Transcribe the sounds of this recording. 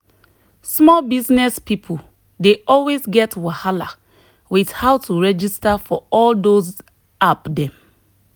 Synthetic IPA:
smɔlbiznɛspipʰu | deɔlwezɡɛtwahala̰ | widhaʊtʰuɹɛd͡ʒistafɔɔldoz | apdɛ̃m

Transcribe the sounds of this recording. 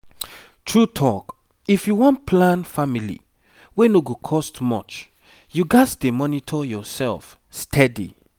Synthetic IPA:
tʰɹutʰɔk | ifjuwɔ̃nt̚pʰlãnfamilḭ | wenoɡokʰɔstmɔ̰t͡ʃ | juɡasdemɔnitʰɔjɔsɛlf | stʰɛdḭ

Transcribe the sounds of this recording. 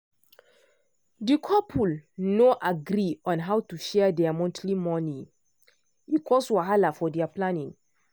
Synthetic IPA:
dikʰɔpʰulnoʔaɡɾiɔ̃nɦawtuʃɛdɛamɔ̃ntʰlimɔni | ikʰɔswaɦalafɔdɛaplãnĩŋ

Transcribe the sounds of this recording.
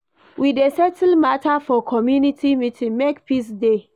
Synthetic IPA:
widesɛtl̩matʰafɔkʰɔmjunitʰimitĩŋmekpisde

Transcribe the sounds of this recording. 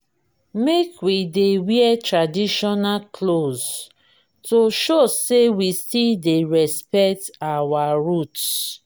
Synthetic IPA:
mekwidewiɛtɹadiʃɔnakʰloz | toʃosewistildeɹɛspɛk̚tawaɹut

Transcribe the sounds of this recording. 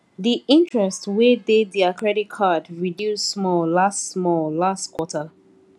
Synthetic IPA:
ðiʔĩntɹɛstwedediakɹɛɾitkʰadɹidjusːmɔllastsmɔllastkʰwɔtʰə

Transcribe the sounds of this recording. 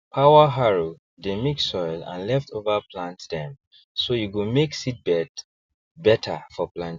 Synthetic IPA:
pʰaʊəɦaɹo | demiksɔɪlã̰nlɛftʰovəpʰlãntdɛ̃m | sojuɡumeksit̚bɛt | bɛtʰə̰fɔplãnt

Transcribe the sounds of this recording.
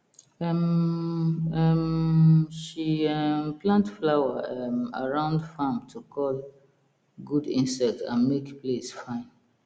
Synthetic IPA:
ɛm | ɛmʃiɛmplãntflaʊaɛma̰ɹãʊ̃ndfãmtʰukʰɔl | ɡudĩnsɛk̚tã̰nmekplesfãɪ̃n

